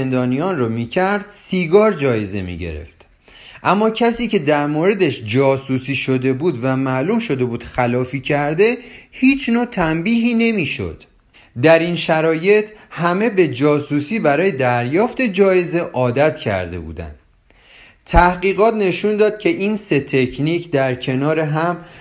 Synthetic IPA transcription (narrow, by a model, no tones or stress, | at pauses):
end̪ɒːnijɒːnrɒmiːcʰæɾd̪̥siːɡɒːɾd͡ʒɒːje̞ze̞mḭɟe̞̰ɾḛft̪ | ʔæmːɒːcʰæsiːcʰe̞d̪æɾmoɾe̞d̪eʃd͡ʒɒːsuːsiːʃo̞d̪e̞buːd̪væmæʔluːmʃo̞d̪e̞buːd̪̥xælɒːfiːcʰæɾd̪e̞hiːt͡ʃʰnot̪ʰæmbiːɦiːne̞miːʃo̞̰d̪̥ | d̪æɾinʃæɾɒːje̞t̪ʰhæme̞be̞d͡ʒɒːsuːsiːbæɾɒːjed̪æɾjɒːft̪e̞d͡ʒɒːje̞ze̞ʔɒːd̪æt̪ʰcʰæ̰ɾd̪e̞̰bṵːd̪æ̰nd̪̥ | t̪ʰæhɢiːɣɒːt̪ne̞ʃund̪ɒːd̪̥̚cʰe̞ʔiːnse̞t̪ʰecʰniːcʰd̪æɾcʰe̞nɒːɾeɦæm